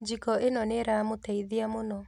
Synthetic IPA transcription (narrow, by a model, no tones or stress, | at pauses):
d͡ʒikɔʔenɔneɾamotɛiðiamonɔ